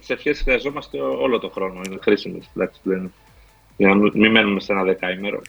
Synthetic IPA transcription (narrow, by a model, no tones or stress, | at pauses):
t̪ise̞fçesi̥sxɾiɐzo̞mɐst̪e̞o̞lo̞t̪o̞xɾo̞no̞inexɾisimest̪id̪ɐksi̥p̪uðen | ʝɐnɐmimime̞nume̞se̞nɐðe̞kɐime̞ɾo̞̰